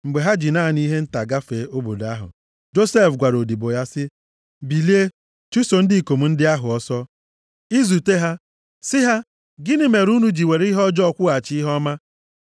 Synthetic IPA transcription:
ŋ͡m̩˨ɡ͡be˨ɦa˦d͡ʒi˨na˦˨ni˦ɦe˦n̩˦ta˨ɡa˦fe˨˦o˦bo˨da˦ɦʊ̰˨ | d͡ʒo˦se˦fɡʷa˨ɾo˨di˨bo˨ja˦sɪ˦ | bi˨li˦e˦ | t͡ʃu˦so˨n̩˦dɪ˦˨ko˨mu˨˦n̩˦dɪ˦a˦ɦʊ˨ɔ˦sɔ˦ | i˦zu˨te˦ɦa˦ | sɪ˦ɦa˦ | ɡɪ˦nɪ˦me˨ɾu˦nu˨d͡ʒi˨we˨ɾi˦ɦɔ˦d͡ʒɔ˦kʷʊ˦a˨t͡ʃi˦ɦɔ˦ma˦

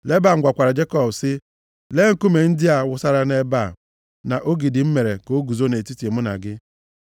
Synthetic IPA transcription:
le˦ba˦˨ŋ̩˦ɡʷa˨kʷa˨ɾa˨d͡ʒe˦kɔ˦bsɪ˦ | le˦ŋ̩˦˨ku˦me˨n̩˦dɪ˦a˨wʊ˦sa˦ɾa˦ne˦ba˦˨ | na˨ʔo˦ɡi˨dɪ˨m̩˦me˨ɾe˨ko˦ɡu˨zo˦ne˨ti˦ti˨mʊ˦na̰˨ɡɪ˦

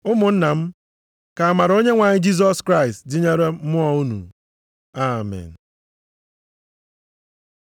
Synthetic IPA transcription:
ʊ˦mʊ˨n̩˦na˨m̩˦ | ka˨a˨ma˨ɾo˦ɲe˦ŋʷa˨ɲɪ˦d͡ʒi˦z̬ɔ˦skɾa˦ɪ˨stdɪ˦ɲe˦ɾe˦mʊ˦ɔ˦u˦nṵ˨ | a˨mɛ̰˨n̩˨

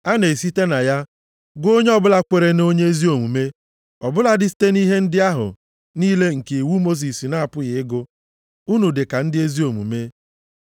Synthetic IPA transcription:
a˦ne˨si˦te˦na˨ja˦ | ɡo˦ɲe˦ɔ˦bʊ˦la˦kʷe˨ɾe˦no˦ɲe˦e˦zi˦o˨mu˨me˦ | ɔ˨bʊ˦la˦dɪ˦si̥˦te˦ni˦ɦe˦n̩˦dɪ˦a˦ɦʊ̰˨ | niː˦le˦ŋ̩˨ke˨i˨wu˦mo˦s̬i˨si˨na˦a˦˨pʊ˦ɣɪ˨ɪ˦ɡʊ˦ | u˦nu˨dɪ˨ka˨n̩˦dɪ˦e˦zi˦o˨mṵ˨me˦

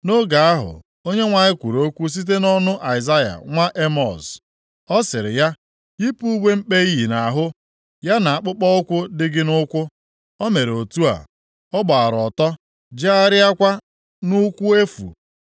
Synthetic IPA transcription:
no˦ɡa˨a˦ɦʊ̰˨ | o˦ɲe˦ŋʷa˨ɲɪ˦kʷu˨ɾo˦kʷu˦s̬i˦t̬e˦nɔ˦nʊ˦ʔa˨ɪ˨za˦ja̰˨ŋʷa˦ʔe˦mɔ˨s | ɔ˦sɪ˨ɾɪ̰˨ja˦ | i˦pu˦u˦ɡ͡bʷe˦m̩˦k͡pe˦i˦ɦi˨na˨ɦʊ˦ | ja˦na˨a˨k͡pʊ˦k͡pɔ˦ʊ˦kʷʊ˦dɪ˦ɡɪ˦nʊ˦kʷʊ˦ | ɔ˦me˨ɾo˨tu˦a̰˨ | ɔ˦ɡ͡ba˨a˨ɾɔ˨tɔ˦ | d͡ʒa˦a˦ɾɪ˦a˦kʷa˦ | nʊ˦kʷu˦e˦fṵ˨

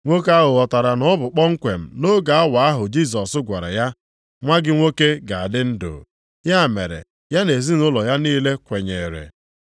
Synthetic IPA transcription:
ŋʷo˦ka˦ɦʊ˨ɔ˨ta˨ɾa˨nɔ˦bʊ˨k͡pɔ˦ŋ̩˦kʷe˨m̩˨no˦ɡa˨a˦wa˨a˦ɦʊ˨d͡ʒi˦˨s̬ɔ˨sʊ˦ɡʷa˨ɾa̰˨ja˦ | ŋʷa˦ɡɪ˦ŋʷo˦ke˦ɡa˨a˨dɪ˦n̩˦do̰ː˨ | ja˦˨me˨ɾḛ˨ | ja˦ne˨zi˦nʊ˦lɔ˨ja˦niː˦le˦kʷe˨ɲe˨ɾḛ˨

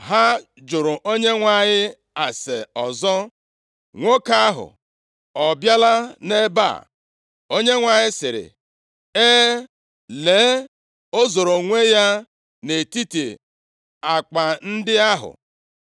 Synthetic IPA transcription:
ɦa˦ | d͡ʒʊ˨ɾʊ˨ʔo˦ɲe˦ŋʷa˨ɲɪ˦ | a˨se˨ɔ˨zɔ˦ | ŋʷo˦ka˦ɦʊ̰˨ | ɔ˨bja˦la˦ne˦ba̰˦˨ | o˦ɲe˦ŋʷa˨ɲɪ˦sɪ˨ɾɪ̰˨ | eː˦ | le˨˦ | o˦zo˨ɾo˨ŋʷe˦ja˦ | ne˨ti˦ti˨ | a˨k͡pa˨n̩˦dɪ˦a˦ɦʊ̰˨

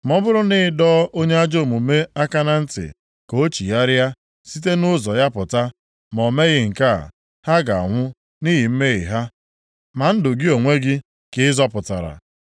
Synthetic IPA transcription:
mɔ˦bʊ˦ɾʊ˦nɪ˦ɪ˦dɔ˦ʔo˦ɲe˦a˦d͡ʒo˦˨mu˨me˦a˦ka˦na˦n̩˦tɪ̰˨ | ko˦t͡ʃi˨ja˦ɾja˦ | si˦te˦nʊ˦zɔ˨ja˦pʊ˨ta˦ | mɔ˨me˦ɣɪ˦ŋ̩˨ka̰˦˨ | ha˦ɡa˨a̰˨ŋʷʊ˦ | ni˦ɦi˨m̩˦me˦ɣɪ̰˨ɦa˦ | ma˨n̩˦dʊ˨ɡɪ˦o˨ŋʷe˦ɡɪ˦ | kɪ˦zɔ˦pʊ˨ta̰˨ɾa̰˨

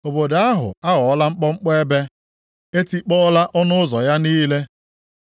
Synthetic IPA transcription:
o˨bo˨da˦ɦʊ̰˨a˦ɣɔ˨ɔ˦la˦ŋ͡m̩˦k͡pɔ˦ŋ͡m̩˦k͡pɔ˦e˦be˦ | e˦ti˦k͡pɔ˦la˦ʔɔ˦nʊ˦ʊ˦zɔ˨ja˦niː˦le˦

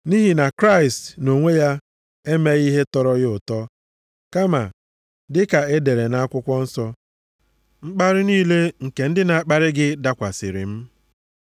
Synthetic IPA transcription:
ni˦ɦi˨na˨kɾa˦ɪ˨stno˨ŋʷe˦ja˦ | e˦me˦ɣi˦ɦe˦tɔ˦ɾɔ˦ɣɪ˦ʊ˨tɔ˦ | ka˦ma̰˨ | dɪ˦ka˨e˦de˨ɾe˨na˨˦a˦kʷʊ˦kʷɔ˦n̩˦sɔ˦ | ŋ͡m̩˦k͡pa˦ɾɪ˦niː˦le˦ŋ̩˨ke˨n̩˦dɪ˦na˨a˦k͡pa˦ɾɪ˦ɡɪ˦da˦kʷa̰˨sɪ˨ɾɪ̰˨m̩˦

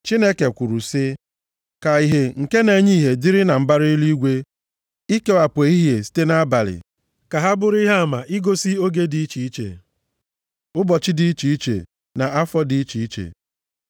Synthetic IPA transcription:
t͡ʃi˦ne˦ke˨kʷu˨ɾu˨sɪ˦ | ka˨i˨ɦe˨ŋ̩˨ke˦ne˨ɲi˦˨ɦe˨dɪ˦ɾɪ˦na˨m̩˦ba˦ɾi˦i˦li˦ɡʷe˦ | i˦ke˦a˨pʷe˨i˦ɦje˨si̥˦te˦na˦a˦ba˨lɪ̰˨ | ka˨ɦa˦bʊ˨ɾi˦ɦa˦a˦˨ma˨ʔi˦ɡo˦si˦o˦ɡe˦di˨i˦t͡ʃi˨i˦t͡ʃḛ˨ | ʊ˦bɔ˨t͡ʃɪ˦di˦i˦t͡ʃi˨i˦t͡ʃḛ˨ | na˨a˦fɔ˦di˨˦i˦t͡ʃi˨i˦t͡ʃḛ˨

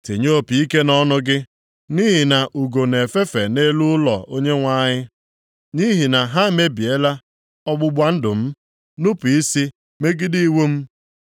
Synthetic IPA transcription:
te˨ɲo˦o˦˨pi˨i˦ke˦nɔ˦nʊ˦ɡɪ˦ | ni˦ɦɪ˨na˨ʔu˨ɡo˨ne˨fe˦fe˨ne˦lu˦lɔ˨o˦ɲe˦ŋʷa˦˨ɲɪ˦ | ni˦ɦi˨na˨ɦa˦me˦bi˨e˦la˦ | ɔ˦ɡ͡bʊ˦ɡ͡bʷa˦n̩˦dʊ˨m̩˦ | nʊ˦pi˦si˦ | me˦ɡɪ˦di˦i˦wu˦m̩˦

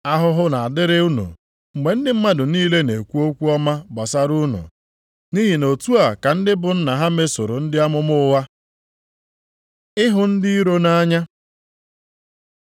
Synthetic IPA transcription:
a˦ɦʊ˦ɦʊ˦na˨a˨dɪ˦ɾɪ˦u˦nṵ˨ | ɡ͡be˨n̩˦dɪ˦m̩˦ma˦dʊ˨niː˦le˦ne˨kʷu˦o˦kʷu˦ɔ˦ma˦bɔ˨sa˦ɾu˦nṵ˨ | ni˦ɦi˨no˨tu˦a˨ka˨n̩˦dɪ˦bʊ˨n̩˦na˨ɦa˦me˦so˨ɾo˨n̩˦dɪ˦a˦mʊ˦mʊ˦wa˦ | ɪ˦ɦʊ˨n̩˦dɪ˦i˦ɾo˦na˦ɲa˦

